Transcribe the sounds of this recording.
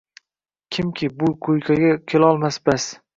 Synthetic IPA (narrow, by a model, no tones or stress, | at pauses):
kʲʰɪmkʲʰɪbʊqʰojkʲʰaɡʲakʲʰelɒlˠmasbas